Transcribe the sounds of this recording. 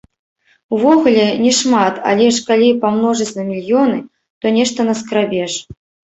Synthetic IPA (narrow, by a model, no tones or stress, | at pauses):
uvɔɣulʲɛnʲɛʂmat̪a̰lʲɛʂkalʲipamnɔʐɐt͡sʲnɐmʲilʲjɔnɨ | t̪ɔnʲɛʂt̪ɐnɐskɾabʲɛʂ